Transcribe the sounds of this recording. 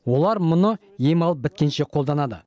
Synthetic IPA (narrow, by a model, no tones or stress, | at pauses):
wo̞lˠɑɾmʊnə | jemɑlˠəp̚bɪt̪̚kʲe̞nʃe̞qʰo̞lˠd̪ɑnɑd̪ə̰